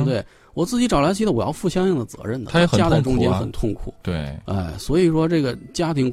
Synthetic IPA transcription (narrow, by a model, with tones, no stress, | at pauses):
t̪̬we˥˩ɪ | wɔ˨˩t͡sɹ̩˥˩t͡ɕi˧˥ʈ͡ʂɑ˨˩la˧˥t͡ɕʰi˧˥d̪ə˧˩u˨˩j̰ʊfu˥˩ɕjɑ˥ŋjɑ˥˩ŋd̪ə˩t͡sɤ̰˧˥ɻə˥˩nd̪ə˨˥ɛ˧˥˨ɕja˥t͡sa˥˩ɪʈ͡ʂʊ˥ŋt͡ɕjɛ˥nxə̰˨˩nt̪ʰʊ˥˩ŋkʰṵ˨˩˦t̪we˥˩a̰˥˩ɪswɔ˧˥i˨˩ʂwɔ˥ʈ͡ʂɤ˥˩ɡə˩t͡ɕja˥t̪ʰi˧˥ŋ